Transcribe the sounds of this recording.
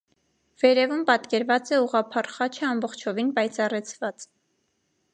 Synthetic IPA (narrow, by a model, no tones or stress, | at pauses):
v̥ɛɾɛvumpɑt̪kɛɾvɑt͡sɛuʁɑpʰɑrχɑt͡ʃʰɛɑmbɔχt͡ʃʰɔvinpɑjt͡sʰɑrɛt͡sʰvɑt͡s